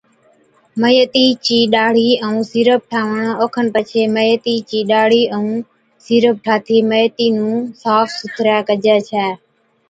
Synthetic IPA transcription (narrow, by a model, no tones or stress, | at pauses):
məjət̪iːt͡ʃiːɗaːɽ̤iːəũːsiːɾəp̚ʈʰaːʋəɳoːkʰənpət͡ʃʰeːməjət̪iːt͡ʃiːɗaːɽ̤iːʔəũː | siːɾəp̚ʈʰaːt̪ʰiːməjət̪iːnũːsaːfsʊt̪ʰɾaːkəd͡ʒɛːt͡ʃʰɛː